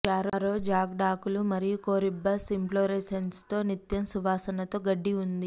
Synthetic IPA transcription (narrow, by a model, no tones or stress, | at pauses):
kaːɾoɾoːd͡ʒaːɡɖaːkulumɐɾijukoːɾibːɐsimploːɾeːsɐnst̪o̞ːnit̪jɐmsuʋaːsɐnɐt̪o̞ːɡɐɖːiund̪i